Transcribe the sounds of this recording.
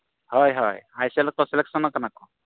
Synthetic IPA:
hɔjɦɔ̰jajsɛlɔk̚t̪ɔsɛlɛksɔnɔkanakɔ

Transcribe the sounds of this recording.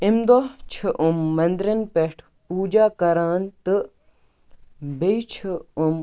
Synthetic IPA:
imd̪ot͡ʃʰiʔumːɐnd̪ɾɐnpeʈʰ | puːd͡ʒaːkɐɾaːnt̪ɨ | bejt͡ʃʰium

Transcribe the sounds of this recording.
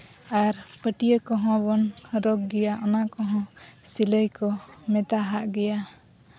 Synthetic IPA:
aɾpəʈijəkɔɦɔ̃bɔnɾɔɡɡɛjaʔɔnakɔɦɔ̃siləjkɔmɛt̪aɦaʔɡɛja

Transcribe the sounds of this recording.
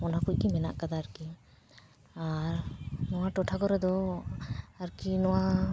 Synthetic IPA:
ɔnakuc̚ˀkimɛna̰ʔkad̪aːɾki | aɾnɔwaʈɔʈʰakɔɾɛd̪ɔ | aɾkinɔwa

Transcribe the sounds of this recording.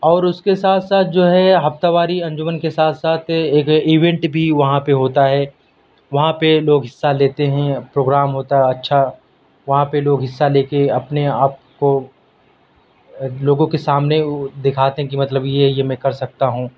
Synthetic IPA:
ɔːɾʊskesaːt̪ʰsaːt̪̚ʰd͡ʒoːɦɛɦɐft̪aʋaːɾiɐ̃ɲd͡ʒʊmənkesaːt̪ʰsaːt̪ʰeːkiʋɛ̃ɳʈbʱiʋɐɦãpeɦoːt̪aɦɛː | ʋɐɦãpeloːɡɦɪsːaleːt̪eɦɛ̃pɾoːɡɾaːmɦoːt̪aɦɛɐtːʃʰa | ʋɐɦãpeloːɡɦɪsːaleːkeɐpneaːp̚ko | loːɡõkesaːmned̪ɪkʰaːt̪eɦɛ̃kimɐt̪ləbjejemɛ̃kɐɾsɐk̚t̪aɦũː

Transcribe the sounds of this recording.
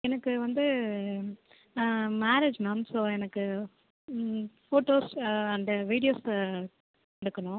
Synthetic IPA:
ɛnɐkːɯʋɐnd̪ɯ | maːɾeːd͡ʒmɐnʈsoːɛnɐkːɯ | foːʈoːsɐnd̪ɐʋiːɽɪjoːs | kɐɽɯkːɐɳʊ̃

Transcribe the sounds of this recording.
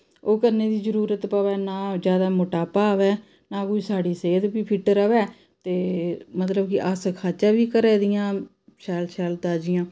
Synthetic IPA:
oːkəɾneːd̪iːzəɾuːɾət̪paːʋɛːnaːd͡ʒjaːd̪aːmʊʈaːpaːʋɛː | nãːkuisaːɖiːseːd̪biːpʰɪʈəɾəʋɛː | t̪eːmət̪ləbkɪʔaːsəkʰaːt͡ʃaːʋiːkəɾɛːd̪ɪjãː | ʃɛːlʃɛːlt̪aːd͡ʒɪjãː

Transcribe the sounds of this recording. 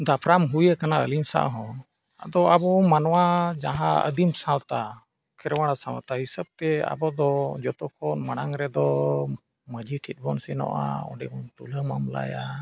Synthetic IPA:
d̪apʰɾamɦujəkanaəlinsa̰ʔɦɔ̃ | ad̪ɔabɔmanwad͡ʒaɦãə̰d̪imsãwt̪a | kʰɛɾwaɽ̃asãwt̪aɦisəb̚t̪ɛa̰bɔd̪ɔd͡ʒɔt̪ɔkʰɔnmaɽaŋɾɛd̪ɔ | məd͡ʒiʈʰit̪̚bɔnsɛnɔ̰ʔa̰ɔ̰ɖɛkɔnt̪uləmamla̰ja

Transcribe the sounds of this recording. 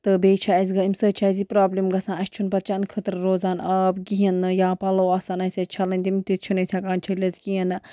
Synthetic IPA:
t̪ɨbeːt͡ʃʰaɐzʲɡɐimsəːt͡ʃʰazipɾaːblimɡɐsãːɐʃʲt͡ʃʰunpɐt̪̚t͡ʃʰɐnkʰət̪ɾɾoːzaːnʔaːbɡiɦɐnːɨjaːpɐloːaːsanɐsʲɐt͡ʃʰɐlɐnʲd̪imt̪it̪̚t͡ʃʰunɐsʲakaːnt͡ʃʰɐlʲɐt̪ɡijɐn

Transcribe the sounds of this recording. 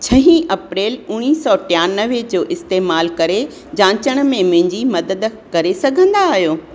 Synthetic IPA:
t͡ɕʰɐɦĩʔɐpɾeːlʊɽ̃iːsɔːʈɪjaːnəʋed͡ʑoːʔɪst̪eːmaːlkɐɾe | d͡ʑãːt͡ɕəɽ̃̆mẽmʊ̃ɦɪ̃ɲd͡ʑimɐd̪əd̪kɐɾesɐɡʱə̃nd̪aːɦijoː

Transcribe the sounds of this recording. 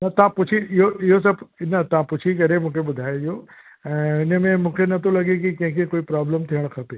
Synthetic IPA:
nɐt̪ɐãpʊt͡ʃʰiɪɦoɪɦos̬ɐbnɐt̪ɐãpʊt͡ʃʰik̬ɐɾemũːkʰebʊd̪ʱaːeiɦõ | ɪnəmẽmũːkʰenɐt̪olɐɡek̬ikɐ̃ɦɪ̃kekoːipɾaːbləmt̪ʰiəɽ̃kʰɐp̪e

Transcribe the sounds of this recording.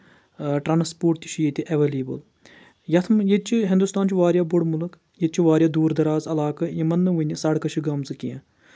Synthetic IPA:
ʈɾaːnspoːɾʈt̪it͡ʃʰijit̪iʔɐʋeːliːbəl | jɐt̪ʰmjet͡ʃʰiɦɪ̃nd̪ust̪aːnt͡ʃʰiʋaːɾjaːbʊɽmulɨk | jet͡ʃʰiʋaːɾʲjaːd̪uːɾd̪ɐɾaːzɐlaːkɐjɐmɐnːɨʋunʲisɐɽkɐt͡ʃʰiɡɐmt͡sɨkijã̰ː

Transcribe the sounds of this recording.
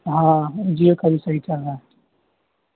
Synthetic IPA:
ɦãd͡ʒiokəbʱisɐɦit͡ʃɐlɾaɦɛ

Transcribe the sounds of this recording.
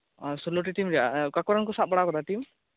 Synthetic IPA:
sɔloʈ̬iʈimɾɛjakakɔɾankɔsat̪̚bɔɽakɔd̪aʈim

